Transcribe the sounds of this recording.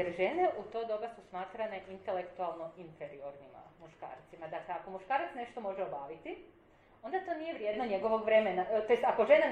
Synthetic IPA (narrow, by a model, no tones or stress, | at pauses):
eɾʒe̞neʔut̪o̞d̪o̞ɡasusmaːt̪ɾane̞ʔint̪e̞lekt̪ualˠno̞infeɾioɾnima̰muʃka̰ːɾt̪simad̪akleako̞muʃkaːɾat̪sne̞ʃt̪o̞mo̞ʒeobaːʋit̪i | o̞nd̪at̪o̞nijeʋɾjed̪noɲe̞ɡo̞ʋo̞ɡʋɾe̞menat̪ojest̪ako̞ʒe̞na